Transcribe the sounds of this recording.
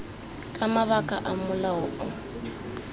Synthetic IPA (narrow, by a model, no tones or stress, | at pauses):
kʼamaβakʼaʔamʊlaʊʔʊ